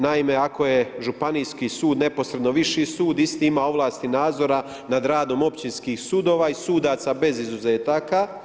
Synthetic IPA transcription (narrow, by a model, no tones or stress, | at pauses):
naime̞ako̞je̞ʒupanijskisuːd̪ne̞po̞sɾe̞d̪no̞ʋiʃisuːd̪ist̪iimao̞ʋlˠaːst̪inaːd̪zo̞ɾa | nad̪ɾaːd̪o̞mo̞pt͡ʃinskiːxsud̪o̞ːʋaisuːd̪at̪sabe̞zizuzeːt̪aːka